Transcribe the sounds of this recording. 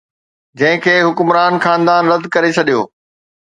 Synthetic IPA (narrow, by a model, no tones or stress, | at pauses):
d͡ʑɐ̃ɦɪ̃kʰeːɦʊkʊmɾaːnxaːnd̪aːnɾɐd̪kɐɾet͡ɕʰɐɗijo̰ː